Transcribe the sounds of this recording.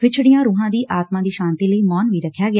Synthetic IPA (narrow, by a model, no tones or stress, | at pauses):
ʋɪt͡ʃʰɽɪjãːɾuːɦãːd̪iːʔaːt̪mãːd̪iːʃãːnt̪iːləiːmɔːnʋiːɾəkʰːjaːɡɪaː